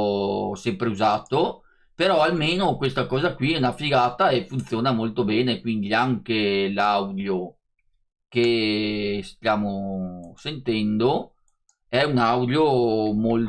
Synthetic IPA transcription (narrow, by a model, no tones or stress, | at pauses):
sɛmpɾeuzaːt̪o | peɾɔalmeːnokwest̪akɔːzakwinafiɡaːt̪aefːunt̪sjoːnamolt̪obɛːnekwind̪iaŋkelawd̪jo | ke | st̪jaːmosent̪ɛnd̪o | ɛunawd̪jomol